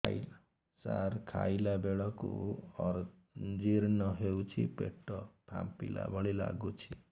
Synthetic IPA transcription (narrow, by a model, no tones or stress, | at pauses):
l | saɾkʰajlabeɭɔkṵɔɾ | d͡ʒiɾnɔɦewt͡ʃʰipeʈɔp̪ʰa̰mpila̰bʱɔɭila̰ɡut͡ʃʰi